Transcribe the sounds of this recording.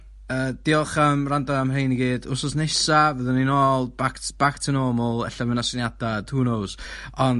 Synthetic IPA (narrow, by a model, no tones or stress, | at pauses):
əːd̥iɔχəmrandaəmrejniɡiːdʊrsɔsnesavəðɔninɔːlˠbaktb̥aktʰənɔːmɔlˠɛ̰ɬavənasɪnjad̥atʰuːnowsɔn